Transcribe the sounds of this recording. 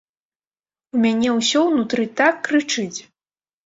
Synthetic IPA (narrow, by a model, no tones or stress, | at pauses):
umʲanʲɛwsʲɔwnut̪ɾɨt̪akːɾɨt͡ʂɨt͡sʲ